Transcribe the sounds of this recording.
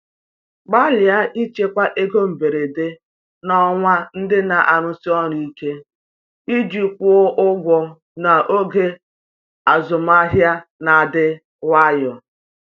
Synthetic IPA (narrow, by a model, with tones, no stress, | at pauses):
ɡ͡ba˦lɪ˨a˦ʔi˦t͡ʃe˦kʷa˦ʔe˦ɡo˦m̩˨be˨ɾe˨de˦ | nɔ˦ŋʷa˦n̩˦dɪ˦na˨ʔa˨ɾʊ˦si˦ɔ˦ɾi˨i˦ke˦ | i˦d͡ʒi˨pʷʊ˦ʔʊ˦ɡʷɔ˨ | na˨ʔo˦ɡe˦ | a˨zʊ˨m˦a˦ɦja˦na˨a˨dɪ˦ | wa˦jɔ˨